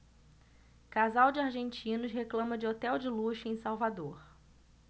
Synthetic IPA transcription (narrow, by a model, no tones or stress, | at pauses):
kazawd͡ʒɪaɾʒẽnt͡ʃĩnʊʃɦeklɐ̃mɐd͡ʒɪot̪ɛwd͡ʒɪluʃʊẽj̃sawvad̪oɾ